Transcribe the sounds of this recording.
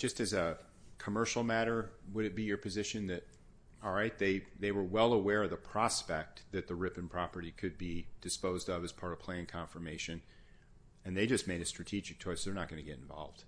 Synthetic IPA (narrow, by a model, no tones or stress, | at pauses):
d̥ʒ̥ʌstɨzɨ | kʰəmɜ˞ʃl̩ˠmæɾə˞wəɾɨt̚b̥ijə˞pʰɨzɪʃɨ̃nðɨt̚ | ɔlˠɹaɪt̪̚ðeɪðeɪwə˞wɛlˠəwɛɹʌvðəpʰɹ̥ɑspɛk̚t̪̚ðɨt̪̚ðɨɹɪpɨ̃n̩pʰɹ̥ɑpə˞ɾikʰɨd̚bid̥ɨspoʊzdʌvɨz̥pʰɑɹɾʌv̥pʰl̥eɪɪ̃nkʰɑ̃ɱfə˞meɪʃɨ̃n | ɨ̃nðeɪd͡ʒʌsmeɪɾɨstɹ̥ɨtʰid͡ʒɨk̚tʰɔɪsðə˞nət̚ɡ̥ʌnɨɡɛɾɨ̃ɱvɑ̰lˠvd̥